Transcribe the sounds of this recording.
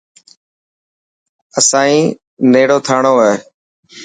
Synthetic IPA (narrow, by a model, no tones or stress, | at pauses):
əsãːĩː | neːɽoːt̪ʰaːɳoːeː